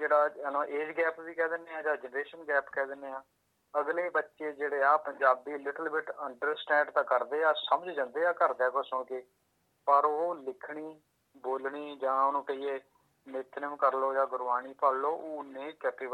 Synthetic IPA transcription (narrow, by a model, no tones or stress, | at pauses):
d͡ʒeːɽaːənãːʔeːd͡ʒɡɛːpbiːkɛːd̪ɪnːeːãːd͡ʒãːd͡ʒənɾeːʃənɡɛːpkɛːd̪ɪnːeːãː | əɡleːbətːʃeːd͡ʒeːɽeːaːpəɲd͡ʒaːb̚d̪iːlɪʈəlbɪʈəɳɖəɾsʈɛ̃ːɳɖt̪ãːkəɾd̪eːaːsəməd͡ʒd͡ʒãːnd̪eːaːkəɾd̪eaːkʊsõːkɪ | pəɾolɪkʰɽiː | boːlɳiːd͡ʒãːonũːkəiːeː | mɪt̪nəmkəɾloːd͡ʒãːɡʊɾʋaːñiːpəlloːʔoːnẽːkɛːpiːbə